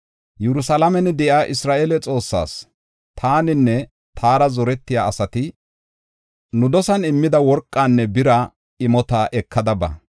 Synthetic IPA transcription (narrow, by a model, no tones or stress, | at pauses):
jɛɾʊsɐlɐmɛnd̪ɛʔaːʔɪsɾaːʔelɛt͡sʼo̞ːsːa̰ːs | t̪ʰaːnɪnːɛ | t̪ʰaːɾɐzɔɾɛt̪ːɪjaːɐsɐt̪ɪ | nʊd̪ɔsɐnɪmːɪd̪ɐwɔɾkʼːaːnːɛbɪɾɐ | ɪmɔt̪ɐʔɛkʰːɐd̪ɐbɐ̰